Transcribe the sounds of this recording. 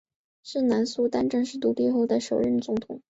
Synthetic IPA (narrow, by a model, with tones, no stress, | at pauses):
ʂɻ̩˥˩na˧˥nsu˥t̪a˥nʈ͡ʂɤ˥˧ŋʂɻ̩˥˩t̪u˧˥t̪i˥˧xo˥˩ʊd̪ə˩ʂo˨˩ʊɻə˥˩nt͡sʊ˧˥ŋt̪ʰʊ˨˩˦ŋ